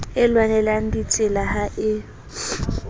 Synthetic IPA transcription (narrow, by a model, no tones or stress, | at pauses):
ɪlwanɛlan̩dit͡sʼɪlahaʔɪ